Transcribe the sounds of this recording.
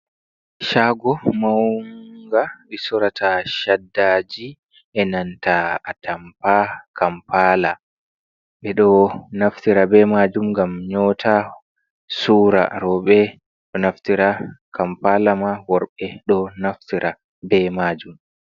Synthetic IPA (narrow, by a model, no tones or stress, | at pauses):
ʃaːɡɔmawŋɡaɓisɔɾatʰaʃadːad͡ʒi | ʔɛnantaatʰampakʰampala | ɓɛɗɔnaftiɾabɛmad͡ʒumɡamɲɔtʰa | suːɾa̰ɾɔɓɛ | ɗɔnaftiɾakʰampalamawɔɾɓɛɗɔnaftiɾʔa | bɛmad͡ʒum